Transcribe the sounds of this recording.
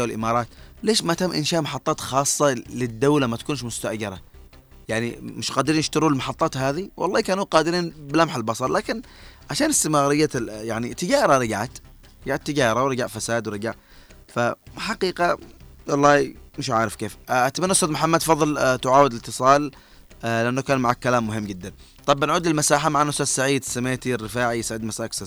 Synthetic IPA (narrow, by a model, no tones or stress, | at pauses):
wɪlʔɪ̰mɑːɾˤɑːt̪leːʃmat̪amːʔɪnʃaːʔmɑħɑt̪ˤːɑːt̪xɑːsˤːɑlɪd̪ːawlamat̪ḁkuːnʃ̬mʊst̪aʔd͡ʒɑɾˤɑ̰ | jaʕnḭmɪʃqaːd̪ɪɾiːnʔɪʃt̪ɑɾuːlmɑħɑt̪ˤːɑːt̪haːðiwʔɑ̰lˤːɑːkaːnuːqɑːd̪ɪɾiːnbɪlamħɪlbɑsˤɑɾˤlaːkɪn | ʕaʃaːnɪst̪ɪmɣɾɪjːajaʕnḭt̪ːɪɡɑːɾˤɑɾˤɪɡʕat̪ | ɾɪɡaʕat̪ːɪd͡ʒɑːɾˤɑwɾɪɡaʕfasaːd̪wɾɪɡaʕ | faħaqiːqawɑlˤːɑːmɪʃ̬ʕa̰ʕɾɪfkeːfʔat̪manːʔʊst̪ːɑt̪mʊħamːad̪fɑðˤɨlt̪ʊʕaːwɪd̪lɪt̪ːɨsˤɑːl | lɪʔanːokaːnmaʕakːalaːmːʊɦɪmːd͡ʒɪd̪ːan | t̪ˤɑbʔanʕuːd̪lɪlmasaːħamaʕanːʊsɑːsːaʕiːd̪sameːt̪irːɪfaːʕijsaʕɪd̪masaːksa